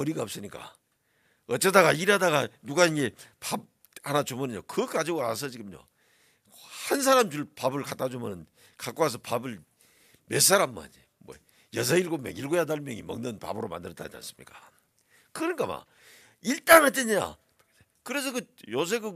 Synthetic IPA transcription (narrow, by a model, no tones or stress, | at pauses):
ʌɾiɡaʌp̚s͈ɯɲik͈a̰ | ʌt͡ɕ͈edaɡaiɾadaɣanuɡainɡe̞pab̚ | anat͡ɕumɯnɯɲo̰kɯkad͡ʑiɡoanas̬ʰʌd͡ʑiɡɯmɲo̰ | hans̬ʰaɾamd͡ʑuɭpabɯɭkat͈ad͡ʑumɯnɯn | kak͈oas̬ʰʌpabɯɭ | mes̬ʰaɾammɯa̰ni | mwʌ̰ | jʌs̬ʰailɡomjʌ̰ŋilɡojadaɭmjʌŋimʌ̰ŋnɯnpa̰bɯɾoma̰ndɯɾʌt͈a̰ɲa̰ns͈ɯmɲik͈ḁ | kɯɾɲik͈ama̰ | iɭt͈aŋat͈eɲa̰ | kɯɾe̞s̬ʰʌkɯjos̬ʰeɡɯ